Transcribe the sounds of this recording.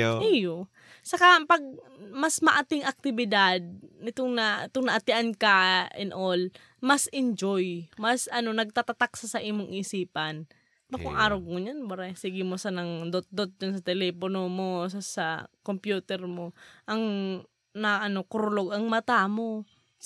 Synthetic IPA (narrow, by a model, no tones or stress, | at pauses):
oʔijo | sɐkapɐɡ̚mɐsmɐʔɐt̪ɪŋɐk̚t̪ɪbɪd̪ad̪̚nɪt̪oŋnɐt̪oŋnɐʔɐt̪ɪʔankɐʔɛnʔol | mɐsʔɪnd͡ʒojmɐsɐno̞nɐɡ̚t̪at̪at̪aksɐsɐʔiːmoŋʔɪːsiːpɐn | bakʊŋʔaːɾoɡ̚moɲanbɐɾɛsiɡɪmosanɐŋd̪ot̪̚d̪ot̪̚d͡ʒansɐt̪ɛlɛːponomosasɐkompjuːt̪ɛɾmo̞ʔɐŋ | nɐʔɐno̞kʊɾʊloɡɐŋmɐt̪amo̞